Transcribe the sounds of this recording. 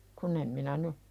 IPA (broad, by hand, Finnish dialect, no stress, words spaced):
kun em minæ ny